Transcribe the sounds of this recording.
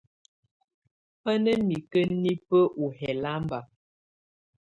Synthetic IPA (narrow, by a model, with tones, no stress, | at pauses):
ə˦nə˦mi˨kə˦ni˦pə˦ʔu˨ɦɛ˨la˦mba˨